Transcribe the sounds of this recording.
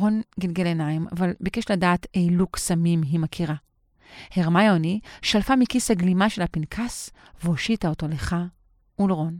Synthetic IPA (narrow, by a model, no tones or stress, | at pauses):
onɡilɡelenaima̰valbekeʃladaːtejluksamimɦimakʰiʁa | heʁmajoniʃalfamikishaɡlimaʃelapinkʰas | veoʃitaoto̞leχa | ulʁon